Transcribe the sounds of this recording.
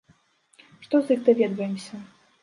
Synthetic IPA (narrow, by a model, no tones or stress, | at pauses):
ʂt̪ɔzjiɣd̪avʲɛd̪vɐjɛmsʲɐ